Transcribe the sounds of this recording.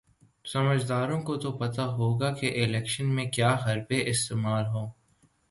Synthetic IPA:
sɐməd͡ʒd̪aːɾõkot̪opɐt̪aɦoːɡakeʔɪlɛːkʃənmẽkjaːɦɐɾbeʔɪst̪eːmaːlɦoː

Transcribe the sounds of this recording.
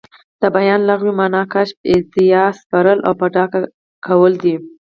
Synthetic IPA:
d̪̥əbajɑnlaɣwimɑnɑkaʃpɪt̪ɪjɑspaɾəla̰wpəɖɑka | kʰawəld̪i

